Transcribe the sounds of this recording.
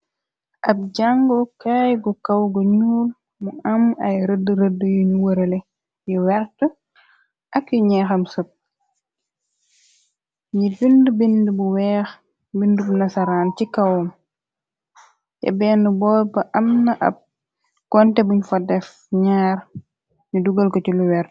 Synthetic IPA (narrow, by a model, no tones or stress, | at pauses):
ʔɐb̚ɟaŋɡɔkaːjɡɔkɐwɡoɲuːl | muʔɐmɐjɾədːəɾədːəjuɲuwəɾɐle | jiwɛɾtə | ʔɐkjuɲɛːxɐmsəp̚ | ɲibindəbindəbuwɛːx | bindəbunɐsɐɾaːncikɐwɐm | jɛ̰bɛːnəbɔːɾbɐʔɐmnɐʔɐ̰b̚ | kɔntɛbuɲfɐdɛf | ɲaːɾ | ɲuduɡɐlkɔciluwɛɾt